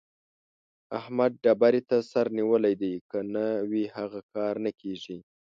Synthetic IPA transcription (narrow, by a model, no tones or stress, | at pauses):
ahmad̪̚ɖabaɾit̪asaɾniwəlajd̪ajkənawihaɣakɑɾnakʰeʐi